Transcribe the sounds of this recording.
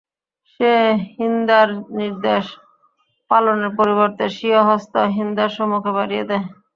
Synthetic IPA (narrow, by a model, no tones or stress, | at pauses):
ʃeɦind̪aɾniɾd̪eʃ | paloneɾpoɾiβoɾt̪eʃioɦɔst̪oɦind̪aɾʃɔmukʰebaɾijed̪ɛ